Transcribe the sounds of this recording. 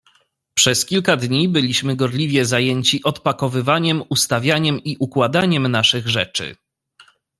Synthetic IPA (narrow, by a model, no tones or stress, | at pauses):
pʂɛskʲilkad̪ɲibɘlʲiɕmɘɡɔɾlʲivʲjɛzajɛɲt͡ɕiʔɔt̪̚pakɔvɘvaɲɛmust̪avʲjaɲɛmiʔukwad̪aɲɛmnaʂɘɣʐɛt͡ʂɘ̰